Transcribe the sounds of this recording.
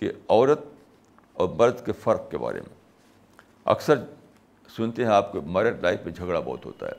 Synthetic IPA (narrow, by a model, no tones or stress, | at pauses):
keɔːɾət̪̚ | ɔːɾmɐɾd̪ʱkefɐɾq̚keba̰ːɾḛmḛ̃ | ɐ̰ksəɾ | sʊnt̪eɦɛ̃aːp̚kemɐɾəɾlaːɪfmẽd͡ʒʱɐɡɽabɔ̰ːt̪ɦo̰ːt̪a̰ɦɛ̰ː